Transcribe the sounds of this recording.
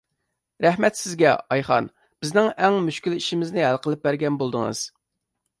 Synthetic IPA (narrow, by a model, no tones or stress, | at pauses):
ɾɛhmɛt̪sɪzɡʲɛɑjχɑ̰n | b̥ɪznɪŋɛŋmyʃkʲyliʃimɪznɪɦælˠqəlˠɪp̚bæɾɡʲɛnbolˠd̪əŋɨ̰z̥